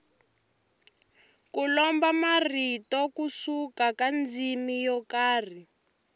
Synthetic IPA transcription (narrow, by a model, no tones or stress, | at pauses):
kulɔmbamaritɔkusukakand͡zimijɔkaːr̤i